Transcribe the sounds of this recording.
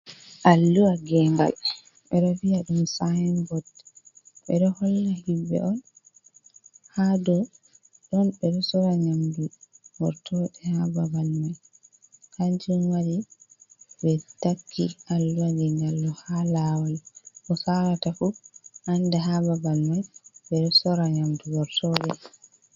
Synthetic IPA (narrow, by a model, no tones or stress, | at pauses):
ʔalːuwaɡɛŋɡa̰l | ɓɛɗɔviaɗumsajɛnbɔt | ɓɛɗɔhɔlːahibːɛ̰ʔɔn | hadɔ | ɗɔnbɛɗɔsɔɾaɲamduwɔɾtʰɔɗɛhababalmaj | kaɲd͡ʒumwaɾi | bɛtakʰːiʔalwaɡɛnalːɔhalawalʔɔsaɾatafuʔandɛɦababalmajɓɛɗɔsɔɾaɲamduwɔɾtʰɔɗɛ